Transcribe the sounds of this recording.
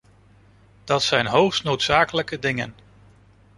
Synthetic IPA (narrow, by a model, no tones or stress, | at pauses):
d̥ɑtsɛjnɦowχstnowtsaːkələkədɪŋə̰n